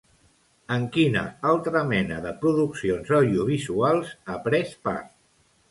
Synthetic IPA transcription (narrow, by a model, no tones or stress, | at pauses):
əŋkinə̰alˠt̪ɾəmɛnəðəpɾuðuksionzawðiuβ̞izualˠzəpɾɛspa̰ɾt̪